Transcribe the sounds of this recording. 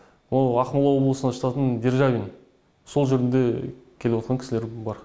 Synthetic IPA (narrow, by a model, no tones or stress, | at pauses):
oɑqmɑlˠɑwo̞blˠəsənɑʃət̪ɑt̪ənd̪eɾʒɑvʲin | so̞lˠʒeɾɪnd̪e̞kʲʰelewot̪̚qɑŋkʰʲɪ̥sɪleɾbɑɾ